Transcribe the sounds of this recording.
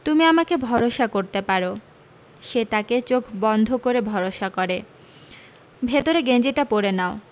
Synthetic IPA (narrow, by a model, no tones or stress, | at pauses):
t̪umiamakebʱɔɾoʃakoɾt̪epaɾo | ʃet̪aket͡ɕokʰbɔnd̪ʱokoɾebʱɔɾoʃakɔɾe | bʱet̪oɾeɡend͡ʑeʈapoɾenao